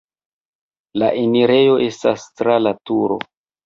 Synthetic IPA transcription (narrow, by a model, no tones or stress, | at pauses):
laʔeniɾe̞jo̞ʔe̞stastɾalatuɾo̞̰